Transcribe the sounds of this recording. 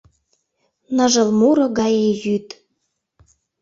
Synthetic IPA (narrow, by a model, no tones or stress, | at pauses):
nəʒə̆lmuɾɤ̆ɣɑjejyt̪